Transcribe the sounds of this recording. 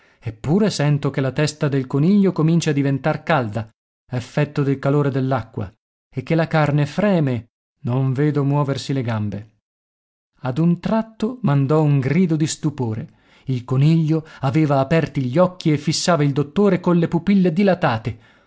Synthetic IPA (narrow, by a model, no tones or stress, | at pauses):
epːuːɾesɛnt̪okelat̪ɛst̪ad̪elkoniʎːokomint͡ʃad̪ivent̪arkald̪a | efːɛt̪ːod̪elkaloːɾed̪elːakːwa̰ | ekːelakarnefɾɛːme | noɱveːd̪omwɔːversileɡambe | ad̪unt̪ɾat̪ːomand̪ɔuŋɡɾiːd̪od̪ist̪upoːɾe | ilkoniʎːoaveːvaːpɛrt̪iʎːɔkʰːiefːisːaːvaild̪ot̪ːoːɾekonlːepupilːed̪ilat̪aːt̪e